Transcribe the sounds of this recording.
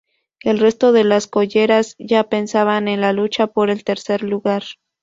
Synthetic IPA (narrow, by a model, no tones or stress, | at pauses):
e̞lre̞st̪o̞ðe̞lasko̞ʝe̞ɾazʝape̞nsaβane̞nlalut͡ʃapo̞ɾe̞lt̪e̞ɾse̞ɾluɣaɾ